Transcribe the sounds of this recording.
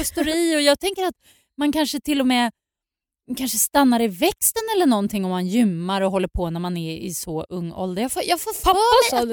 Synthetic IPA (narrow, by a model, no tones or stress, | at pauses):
st̪ʊɾiːɔjɑːɡ̚t̪ʰɛŋkəɾat̪ | mankʰanʂət̪ʰɪlːɔmɛː | kʰanʂəst̪anːaɾɪvɛkst̪ənɛlːəɳɔnt̪ʰɪŋːɔmːanjʏmːaɾɔɦɔlːəɾpʰɔːnæɾmanæɪ̰sɔʔɵŋːɔ̰ld̪əɾjɑːɡfojɑːɡfoːa